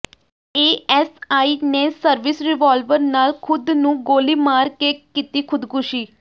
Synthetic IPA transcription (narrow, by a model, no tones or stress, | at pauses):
eːɛsaːiːneːsəɾʋɪsɾɪʋaːlʋəɾnaːlkʰʊd̪nũːɡoːliːmaːɾkeːkiːt̪iːkʰʊd̪kʊʃiː